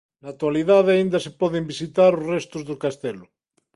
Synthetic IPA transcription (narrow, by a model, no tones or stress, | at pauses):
nat̪waliðaðaind̪asepɔðembisit̪aɾozrest̪ozðokast̪elo